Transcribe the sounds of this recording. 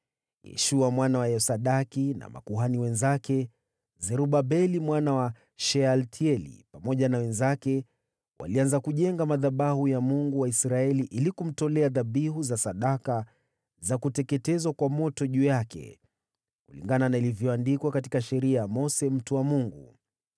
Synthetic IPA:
jɛ̰ʃuamwanawajɛsaɗakina̰ma̰kuɦaniwɛnzakɛ | zɛɾuɓabɛlimwanawa | ʃɛaltʰiɛlḭpamɔʄanawɛnzakɛ | wʔa̰lianzakuʄɛŋɡamaðaɓahujamuŋɡuwaisɾaɛliʔilikum̩tɔlɛaðaɓiɦuzasaɗaka | zakutɛkɛtɛzwakwamɔtɔʄuːjakɛ̰ | kulḭŋɡananailivjɔandikwakatikaʃɛɾiajamɔsɛm̩tuwamuŋɡṵ

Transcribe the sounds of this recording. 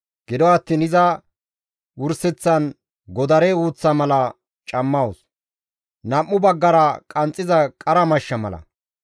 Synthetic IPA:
ɡ̥ɪd̪ɔɐt̪ːiːnɪzɐ | wʊɾsɛt͡sːɐn | ɡɔd̪ɐɾɛuːt͡sːɐmɐlɐ | t͡ʃʼɐmːɐwʊs | nɐmːʊbɐɡːɐɾɐkʼɐnt͡sʼːɪzɐkʼɐɾɐmɐʃːɐmɐ̰lɐ̰

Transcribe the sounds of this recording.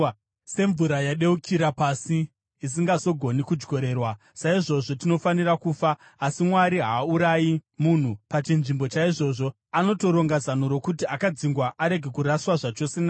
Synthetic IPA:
se̞ɱvuɾajaɗe̞ukʰiɾapasiː | s̬iŋɡaso̞ɡʱo̞nikud͡ʒɡo̞ɾe̞ːrwa | saiʐo̞ʐo̞tino̞fanirakuːfaː | simwaɾiɦauɾajimun̤upat͡ʃinʐimbo̞t͡ʃaiʐo̞ʐo̞ | ano̞to̞ɾo̞ŋɡazan̤uɾo̞kutiakad͡ziŋɡwaʔaɾe̞ɡʱe̞kuɾaswaʐat͡ʃo̞sena

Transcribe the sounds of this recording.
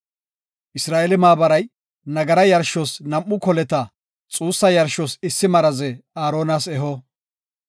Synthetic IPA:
ʔɪsɾaːʔelɪmaːbɐɾɐj | nɐɡɐɾɐjɐɾʃɔsnɐmʔːʊkɔlɛt̪ɐ | t͡sʼuːsːɐjɐɾʃɔsɪsːɪmɐɾɐzɛaːɾo̞ːnaːsɛɦɔ

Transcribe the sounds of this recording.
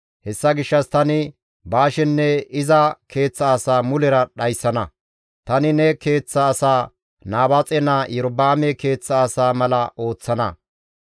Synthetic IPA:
hɛsːɐɡɪʃːɐst̪ɐnɪ | baːʃɛnːɛɪzɐkʰe̞ːt͡sːɐːsaːmʊlɛɾɐɗɐjsːɐnɐ | t̪ɐnɪnɛke̞ːt͡sːɐːsaː | naːbat͡sʼɛnajɛɾɔbaːmɛke̞ːt͡sːɐːsaːmɐlɐʔo̞ːt͡sːɐnɐ

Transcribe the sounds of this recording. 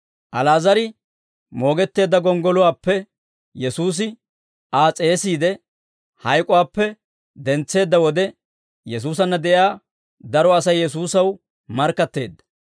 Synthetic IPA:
ʔɐlaːzɐɾɪ | mo̞ːɡɛt̪ːe̞ːd̪ːɐɡɔŋɡɔlʊwaːpːɛ | jɛsuːs̬ɪ | aːt͡sʼe̞ːsiːd̪ɛ | hɐjkʼʊwaːpːɛ | d̪ɛnt͡sːe̞ːd̪ːɐwɔd̪ɛ | jɛs̬uːsɐnːɐd̪ɛʔaː | d̪ɐɾɔɐsɐjːɛs̬uːsɐw | mɐɾkːɐt̪ːe̞ːd̪ːɐ̥

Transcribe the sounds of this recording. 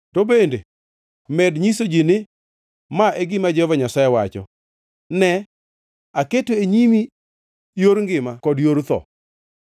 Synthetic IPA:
tobende | mɛdɲisod͡ʒinɪ | maʔɛɡɪmad͡ʒɔvaɲasajewat͡ʃɔ̰ | nɛ | aketoeɲimi | joɾŋɡɪmakɔdjoɾt̪ɔ̰

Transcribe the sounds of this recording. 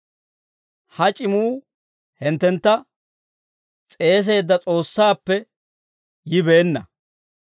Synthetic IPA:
hɐt͡ʃʼɪmuː | hɪnt̪ːɛnt̪ːɐ | t͡sʼe̞ːs̬e̞ːd̪ːɐt͡sʼo̞ːsːaːpːɛ | jɪbe̞ːnːɐ

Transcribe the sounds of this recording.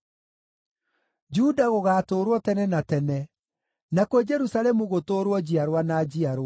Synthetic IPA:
d͡ʒudaɣoɣaːtoːɾwɔtɛnɛnatɛnɛ | nakwed͡ʒɛɾusalɛmuɣotoɾwɔd͡ʑiaɾwanad͡ʒiaɾw

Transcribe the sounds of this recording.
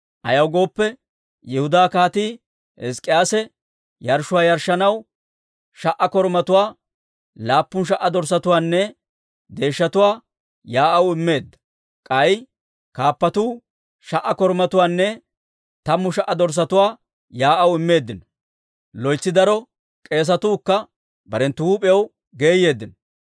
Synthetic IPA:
ʔɐ̰jɐwɡo̞ːpːɛ | jɛhʊd̪aːkaːt̪iː | hɛskʼːɪjaːsɛ | jɐɾʃʊwaːjɐɾʃːɐnɐw | ʃɐʔɐkɔɾmɐt̪ʊwaː | laːpːʊnʃ̬ɐʔːɐd̪ɔɾs̬ɐt̪ʊwaːnːɛ | d̪e̞ːʃːɐt̪ʊwaː | jaːʔɐwɪmːe̞ːd̪ːɐ̥ | kʼɐj | kaːpːɐt̪uː | ʃɐʔɐkɔɾmɐt̪ʊwaːnːɛ | t̪ɐmːʊʃɐʔːɐd̪ɔɾs̬ɐt̪ʊwaː | jaːʔɐwɪmːe̞ːd̪ːɪnɔ | lɔjt͡sːɪd̪ɐɾɔ | kʼe̞ːs̬ɐt̪uːkːɐ | bɐɾɛnt̪ːʊuːpʼɛjɛw | ɡe̞ːje̞ːd̪ːɪnɔ

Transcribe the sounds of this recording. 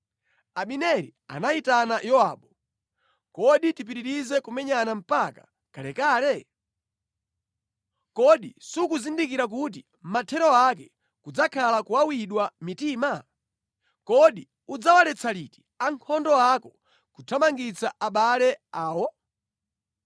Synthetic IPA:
aɓinɛɾḭa̰naitanajɔwa̰ːɓɔ | kɔɗitipiɾiɾizɛkumɛɲanam̩pakḁ̰ | kalɛkaːlɛ | kɔɗisukuzindikiɾak̬ut̬i | m̩matʰɛɾɔakɛ | kud͡zakʰalakuwawiɗwamitiːma | kɔɗi | ud͡zawalɛt͡sʰaliti̥ | aŋkʰɔndɔakɔ | kutʰamaŋɡit͡saʔaɓalɛaːwɔ

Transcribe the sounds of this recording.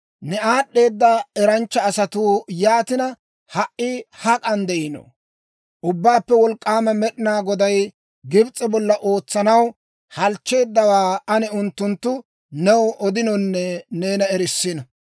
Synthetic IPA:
nɛaːɗːe̞ːd̪ːɐɛɾɐnt͡ʃːɐːsɐt̪uːjaːt̪ɪnɐ | hɐʔɪhɐkʼɐnd̪ɛʔɪno̰ | ʔʊbːaːpːɛwɔlkʼːaːmɛmɛɗɪnaːɡɔd̪ɐj | ɡɪbt͡sʼːɛbɔlːɐʔo̞ːt͡sːɐnɐw | hɐlt͡ʃːe̞ːd̪ːɐwaːɐnɪʊnt̪ːʊnt̪ːʊ | nɛwʔɔd̪ɪnɔnːɛne̞ːnɐɛɾɪsːɪnɐ

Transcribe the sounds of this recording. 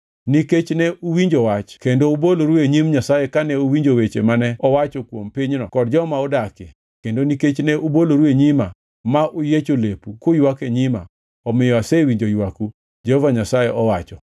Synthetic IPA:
niket͡ʃnɛuwiɲd͡ʒowat͡ʃkendouboloɾueɲimɲasajekanɛowiɲd͡ʒowet͡ʃḛmanɛɔwat͡ʃɔkwompiɲnɔkɔdd͡ʒɔmaɔdake | kendoniket͡ʃnɛʔuboloɾueɲima | maʔujet͡ʃolepukojwakeɲɪma̰ | ɔmɪjɔasewiɲd͡ʒojwaku | d͡ʒehovaɲasajeʔɔwat͡ʃɔ

